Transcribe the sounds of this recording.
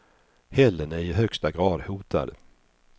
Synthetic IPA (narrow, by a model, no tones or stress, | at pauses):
hɛlːənæɾɪɦœkst̪aɡɾɑːd̪huːt̪ʰa̰d̪